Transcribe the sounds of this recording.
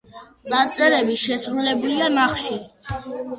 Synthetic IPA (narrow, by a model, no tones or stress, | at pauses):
t̪sʼaɾt̪sʰɛɾɛbiʃɛsɾulɛblianaχʃi